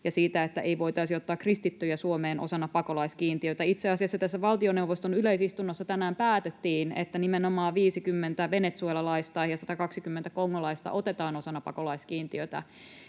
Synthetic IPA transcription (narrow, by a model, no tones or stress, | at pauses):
jɑsiːt̪æet̪ːæʔeiʋo̞it̪ɑisiot̪ːɑːkːrist̪it̪ːøjæsuomeːnʔo̰sɑnːɑpɑkolɑiskiːnt̪iøt̪æit̪seɑsiɑsːɑt̪æsːæʋɑlt̪ioneuwʋost̪onyleisist̪unːosːɑt̪ænæːmpæːt̪et̪ːiːnḛt̪ːænimenomɑːʋiːsikymːent̪æʋenet̪suelɑlɑist̪ɑjɑsɑt̪ɑkɑksikymːent̪ækoŋːolɑist̪ɑ̰ʔo̞t̪et̪ɑːno̞sɑnːɑpɑ̰kolɑiskiːnt̪iøt̪æ̰